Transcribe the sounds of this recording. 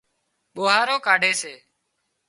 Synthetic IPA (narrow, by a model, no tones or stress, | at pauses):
ɓoːɦaːɾoːkaːɖʱeːseː